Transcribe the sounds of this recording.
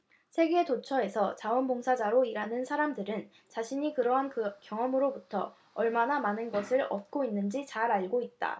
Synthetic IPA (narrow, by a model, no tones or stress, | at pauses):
sʰe̞ɡeːtot͡ɕʰʌe̞sʰʌt͡ɕawʌnboŋsʰad͡ʑaɾoiɾanɯnsʰaɾamdɯɾɯn | t͡ɕaɕʰiɲikɯɾʌɦankjʌŋʌmɯɾobutʰʌ̰ | ʌɭmanamanɯnɡʌsʰɯɾʌ̰t̚k͈oinːɯnd͡ʑit͡ɕaɾaɭɡoit̚t͈a̰